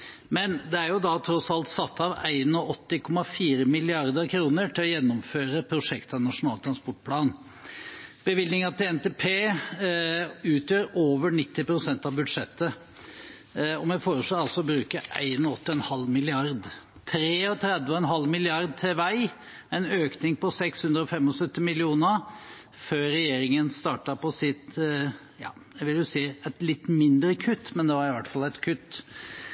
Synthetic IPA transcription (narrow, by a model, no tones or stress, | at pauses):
mɛnd̪ɛæɾjʊd̪ɑt̪ʰɾɔsɑlt̪sɑt̪ːɑʋæ̰ɪnɔʔɔt̪ːɪkʰɔmɑfiːɾəmɪlɪɑɾd̪əɾkʰɾuːnəʈʰɪlɔjɛnːɔmføːɾəpʰɾʊʂɛkt̪ʰɑnɑʂʊnɑːlt̪ʰɾɑnspɔʈ̚ːpʰlɑːn | b̥əʋɪld̪nɪŋɑt̪ɪɛnt̪eːpʰeː | ʉːt̪jøːɾoːʋəɳɪt̪ːɪpɾʊsɛnt̪ɑʋbʉd̪ʂɛt̪ːə | ɔmjæfoːɾəʂloːɑlsɔbɾʉːkəʔæ̰ɪnɔɔt̪ːɪɛnhɑlːmɪlɪɑɾd̪ | t̪ʰɾeːɔt̪ʰɾɛd̪ʋəɔɛnɦɑlːmɪlɪɑɾd̪̚t̪ʰɛʋæɪ | æɪnøːknɪŋpɔsɛkshʉnd̪ɾəɔfɛmːɔsœt̪ːɪmɪlɪuːnə | føːɾɛjeːɾɪŋənst̪ɑːʈəpɔsɪt̪ | jɑ̰ːjæɡʋɪljʊsiːæɪt̪lɪt̪ːmɪnd̪ɾəkʰʉt̪ːmɛnd̪ɛʋɑɾɪʋæʈfɑlɛɪt̪kʰʉt̪ː